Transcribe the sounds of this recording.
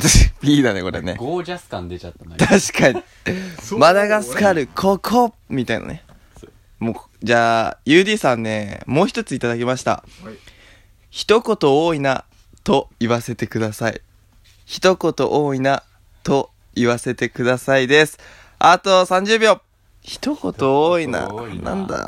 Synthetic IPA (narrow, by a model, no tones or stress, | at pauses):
pʲiːd̪ane̞ko̞ɾḛne̞̰ɡoːd͡ʑasɨ̥kãnd̪et͡ɕat̪ːat̪aɕi̥kaɲi | mad̪aɡasɨ̥kaɾɯ̟kʰo̞kʰo | mʲit̪aḭna̰ne | moː | d͡ʑaːjɯːdʲiːsãnːe̞mo̞ːçi̥t̪o̞t͡sɨit̪ad̪akʲimaɕi̥t̪a̰ | çi̥t̪o̞ko̞t̪o̞oːina | t̪o̞iβase̞t̪e̞kɯ̟d̪asaḭ | çi̥t̪o̞ko̞t̪o̞ʔoːina | t̪o̞ | iβase̞t̪e̞kɯ̟d̪asaid̪e̞sɨ̥ | at̪o̞sãɲ̟d͡ʑɨːbʲjo̞ː | çi̥t̪o̞ko̞t̪o̞oːina̰nã̰nd̪a̰